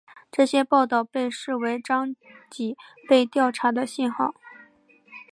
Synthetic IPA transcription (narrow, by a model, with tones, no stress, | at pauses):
ʈ͡ʂɤ˥˩ɕjɛ˥pɑ˥˧ʊt̪ɑ˥˧ʊpe˥˧ɪʂɻ̩˥˩we˧˥ɪʈ͡ʂɑ˥ŋt͡ɕi˨˥˩pe˥˧ɪt̪jɑ˥˩ʊʈ͡ʂʰa˧˥d̪ə˧ɕi˥˧nxɑ˥˩ʊ